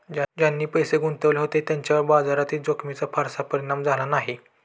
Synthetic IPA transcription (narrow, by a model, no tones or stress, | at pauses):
d͡ʑad͡ʑjanːiːpəjseɡʱunt̪əʋleɦot̪et̪jaɲt͡ɕjaʋəɾbad͡zaɾat̪iːd͡zokʰmit͡sapʰaɾsapəɾiɽamd͡zʱalanaɦi